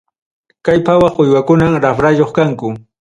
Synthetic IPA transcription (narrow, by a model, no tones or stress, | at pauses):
kajpawɑχʊjwakʊnaŋɾafɾajoχkaŋkʊ